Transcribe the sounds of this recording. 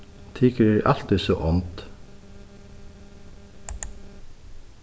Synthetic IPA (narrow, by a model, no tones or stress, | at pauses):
t̪ʰɪːkəɾæɪʔɑlt̪ɪso̰ːʔɔnt̪